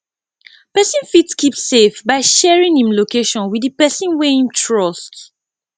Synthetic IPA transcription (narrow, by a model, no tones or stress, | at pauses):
pɛsĩnfitskipssefbaɪʃɛɹĩŋhĩmlokeʃɔ̃nwidipɛsĩnwehĩmtʰɹɔst